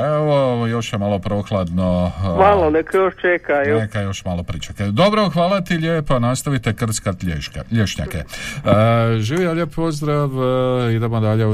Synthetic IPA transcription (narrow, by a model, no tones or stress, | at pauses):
eoʋojo̞ʃjemalˠo̞pɾoːxlˠad̪nomalˠonekajoʃt͡ʃekajonekajo̞ʃmalo̞pɾit͡ʃaked̪o̞bɾo̞xʋaːlˠat̪ilʎʲjeːpoanast̪aʋit̪e̞kr̩t̪skat̪ʎeʎeʃɲa̰kḛ | ʒiːʋijaljeppo̞zd̪ɾaʋid̪emod̪aʎe